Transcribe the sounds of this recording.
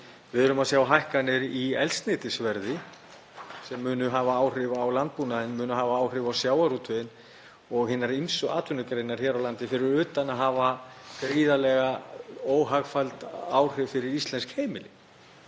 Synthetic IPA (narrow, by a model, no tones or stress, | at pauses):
vɪðʏɾʏmaðsjaːwɦajhkanɪɾiɛ̰lst̪nɪːt̪ɪsvɛɾðɪ | sɛmːʏːnʏɦaːvaaːwr̥ɪvawlant̪̚punaðɪnmʏːnʏɦaːvaaːwr̥ɪvawsjaːwaɾut̪ʰʏðɪn | ɔɣɦɪnːaɾinsʏaːt̪ʰʏnʏkɾeːjnaɾ̥çɛɾawlant̪ɪfɪɾɪɾʏːt̪anaðɦaːvakɾiːðalɛɣaoːwɦaɣfalt̪aːwr̥ɪvfɪɾɪɾist̪lɛnskheːjmɪlɪ